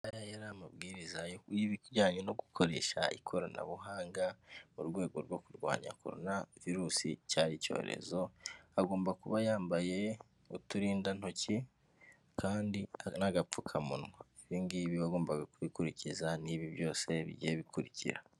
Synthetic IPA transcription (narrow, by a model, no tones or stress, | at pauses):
ajajaɾamabɡiːɾizajokujiβiɾɟaːɲeno̞ɡukʰo̞ɾe̞̰ːʃa̰ikʰo̞ɾo̞na̰βuɦaːŋɡamuɾɡwe̞ːɡo̞ɾɡwo̞kuɾɡwa̰ːɲa̰kʰo̞̰ɾo̰naviɾuːsḭcaːɾico̞̰ːɾḛzo̞aɡo̞ːmbakuβajaːmbaje̞ | utuɾiːndano̞ci | kʰaːndianaɡap͡fukʰamunŋwaiβiːnɡiβiβaɡo̞ːmbaɡakuβikuɾicizaniːβiβjo̞ːse̞βḭɟijeβikuɾicḭɾa